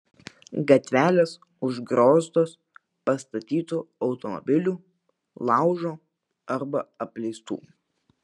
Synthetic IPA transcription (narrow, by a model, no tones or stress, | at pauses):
ɡɐt̪ʲʋʲæːlʲeːs | ʊʒɡɾoːst̪oːs | pɐst̪ɐt̪ʲiːt̪uɒʊt̪ɔmɔ̰bʲɪlʲuː | lˠɑˑʊʒoː | ɐɾbɐɐpʲlʲɛɪst̪ṵː